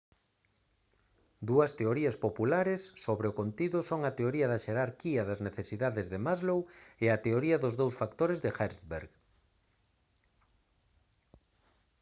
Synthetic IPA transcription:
d̪uɐst̪eoɾiɐspopulaɾesːoβɾeʊkont̪iðʊsoŋɐt̪eoɾiɐðɐʃeɾaɾkiɐðɐzneθesiðaðezðemazloweat̪eoɾiɐðʊzðowsfakt̪oɾezðɪxɛɾsβeɾɣ

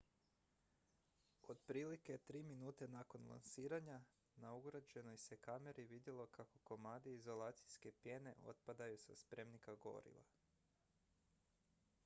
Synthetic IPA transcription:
o̞d̪pɾiːliket̪ɾiːminuːt̪e̞nako̞nlˠa̰nsiːɾaɲa | nauɡɾad͡ʑe̞no̞jsekame̞ɾʔiʋid̪jelˠo̞kʰako̞ko̞maːd̪iizo̞lˠaːt̪sijske̞pje̞ne̞̰ʔo̞̰t̪̚pad̪ajusaspɾe̞mnikaɡo̞̰ɾḭʋa̰

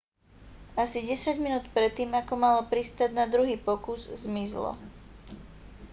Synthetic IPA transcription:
asiɟɛsaɟminuːt̪pɾɛt̪ːiːmakɔmalɔpɾist̪aɟnad̪ɾuɦiːpɔkuzzmizlɔ̰

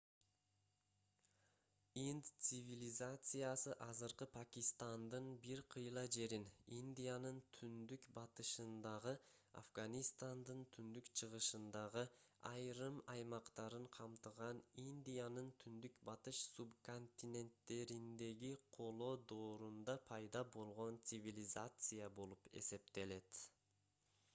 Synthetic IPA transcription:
ind̪t̪sɨvʲilʲizat̪sɨjasɯʔɑzɯɾqɯpʰakʲist̪and̪ɯnbiɾqʰɯjlˠɑd͡ʒe̞ɾininʲd̪ʲijanɯnt̪ʰynd̪ykbɑt̪ɯʃɯnd̪ɑʁɯa̰fɡanʲist̪and̪ɯnt̪ʰynd̪ykt͡ʃʰɯʁɯʃɯnd̪ɑʁɯɑjɾɯmɑjmɑqt̪ɑɾɯɴqʰɑmt̪ɯʁɑninʲd̪ʲijanɯnt̪ʰynd̪ykbɑt̪ɯʃsubko̞nʲt̪ʲinʲe̞nt̪ːe̞ɾind̪e̞ɡiqʰo̞lˠo̞ːd̪o̞ːɾund̪ɑpʰɑjd̪ɑbo̞lˠʁo̞nt̪sɨvʲilʲizat̪sɨjabo̞lˠupe̞̰se̞p̚t̪e̞le̞t̪

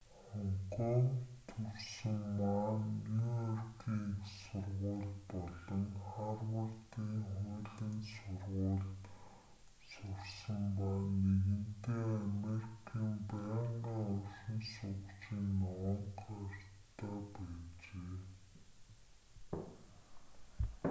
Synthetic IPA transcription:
χɔɴqɔmt̪ʰɵrsɵ̆mmanːujɔrkʰiːŋsʊrʁʊːɮpɔɮɞ̆ŋχarwʊɮt̪iːŋχʊːɮɘ̆nsʊrʁʊːɮ | sʊrsə̆mpaneɣɘ̆nt̪eːameɾikʰiːmpæːɴɢaːɔrʃɞ̆nsʊkt͡ɕiːnːɔəɴqart̪ʰːaːpæːt͡ɕeː

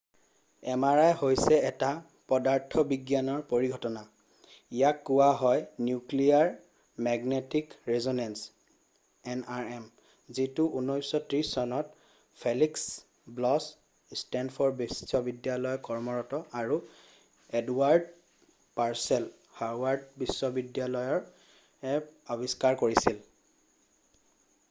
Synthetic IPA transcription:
ɛmaɹajhojsɛɛta | pɔdaɹtʰɔbiɡjanɔɹpoɹiɡʱɔtɔna | ijakːʊwaɦɔjnjukliaɹ | mɛɡnetikɹezonɛns | ɛnaɹɛm | zitʊʔunɔjsɔtɹisɔnɔt̚ | pʰeliks | blɔs | stɛndfʰɔɹbisɔbidjalɔjɔkɔɹmɔɹɔtɔaɹu | ɛduwaɹd | paɹsɛl | haɹwaɹd̚bisːɔbidjalɔjɔɹ | ɛɔbiskaɹkoɹisil

